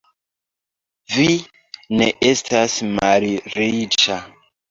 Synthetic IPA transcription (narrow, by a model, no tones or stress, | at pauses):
vi | ne̞ʔe̞stasmalɾit͡ʃa